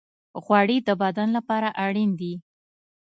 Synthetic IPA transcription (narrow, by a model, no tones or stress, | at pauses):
ɣwɑɽid̪əbad̪anlapɑɾaʔaɽind̪i